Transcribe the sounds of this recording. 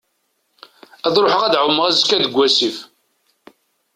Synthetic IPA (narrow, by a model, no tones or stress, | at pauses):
æðˤɾoħəʁæd̪ʕəwəməʁæzəkːæd̪əɡʷːæsif